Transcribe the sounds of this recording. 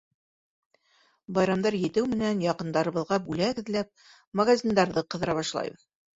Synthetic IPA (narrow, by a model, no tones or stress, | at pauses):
bɑjɾɑmd̪ɑɾjɘ̆t̪ɘwmɘ̆nænjɑqɤ̆nd̪ɑɾɤ̆βɤ̆ðʁɑbʉlæɡɘ̆ðlæp̚ | mɐɡazʲind̪ɑɾðɤqɤ̆ðɤ̆ɾɑβɑʃlˠɑ̰jbɤð